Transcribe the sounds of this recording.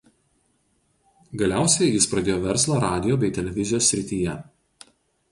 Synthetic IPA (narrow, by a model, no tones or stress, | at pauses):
ɡɐlʲæˑʊsʲɛjjɪspɾɐd̪ʲeːjoːʋʲɛɾslˠɑɾɑːd̪ʲɪjoːbʲɛɪt̪ʲɛlʲɛʋʲɪzʲɪjoːsʲːɾʲɪt̪ʲiːjɛ